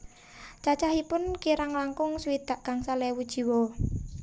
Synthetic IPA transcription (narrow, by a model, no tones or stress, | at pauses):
t͡ʃat͡ʃaɦipʊnkiɾaŋlaŋkʊŋswid̪̥a̤ʔkaŋsalɛwud̥ʒ̥i̤wɔ